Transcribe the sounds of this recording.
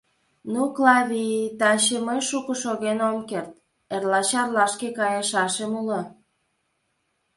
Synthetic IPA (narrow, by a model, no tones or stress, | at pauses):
nuklɑβʲit̪ɑɕəmoʃukoʃoɣenomkert̪̚ | erlɑt͡ɕɑrlɑʃkekɑjeʃɑʃemulə